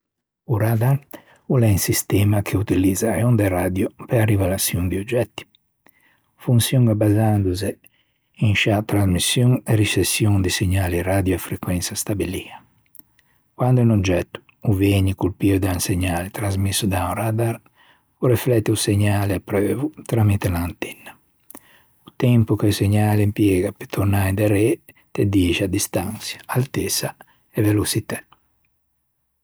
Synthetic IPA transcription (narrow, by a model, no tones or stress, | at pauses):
uɾad̪aɾ | ulɛinsist̪ɛːmakʰeut̪ilid̪zaeond̪erad̪jopearivelasjuŋd̪iod͡ʒɛt̪ːi̥ | funsjuŋabazand̪uze | iŋʃat̪ɾazmisːjuŋeɾisesːjoŋd̪iseɲaːlirad̪joɛfɾekwɛnsast̪abilia | kwand̪uinod͡ʒɛt̪ːu̥ | uvɛɲikulpiod̪anseɲːaːlet̪ɾazmisːud̪awɾad̪aɾ | uɾeflɛt̪ːiuseɲːaːleapːɾøːvut̪ɾamit̪elaːnt̪ɛnːa | ut̪ɛmpukeseɲaːleimpjeːɡapet̪ʰoɾnajd̪eɾe | t̪ed̪iːʃad̪ist̪ansjḁalt̪esa | evelosit̪ɛ